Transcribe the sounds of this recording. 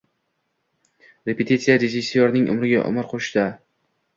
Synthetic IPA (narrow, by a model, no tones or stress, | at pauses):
ɾepet̪ʰit̪sijaɾed͡ʒisːioɾnɪŋʔʊ̰mɾɪɡʲa̰ʔʊ̰mɪɾqʰoʃd̪a